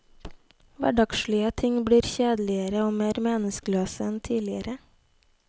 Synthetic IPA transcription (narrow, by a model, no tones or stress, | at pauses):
ʋæ̰ɖɑkʃɭʏət̪ʰɪŋbɽiːɾçeːd̪lɪəɾəoːmeːɾmeːnəskløːsəɛnt̪ʰiːlɪəɾə